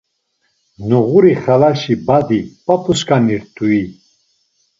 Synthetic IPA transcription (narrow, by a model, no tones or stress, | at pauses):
nuʁuɾiχalaʃibad̪ipʼapʰʼuskʼaniɾt̪ʰʼui